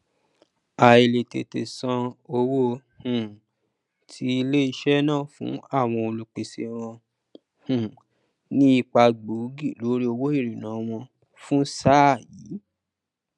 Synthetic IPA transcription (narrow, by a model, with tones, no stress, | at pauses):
a˨e˨le˨tḛ˨te˨sã˧o˧wo˦hũ˨ | tʰi˧˦i˧le˦i˧ʃɛ˦nãː˦˨fṵ̃˨˦a˦˨w̃ɔ̃˧o˧lu˧k͡pe˨sḛ˨˧ɾ̃ɔ̃˧ | hũ˨ | nĩ˦i˦˧k͡pa˧ɡ͡bu˨˦ɡi˦˨lo˨˦ɾi˦o˧wo˦i˦˨ɾi˨nã˨˦w̃ɔ̃˧ | fũ˦sa˦˨ji˨˦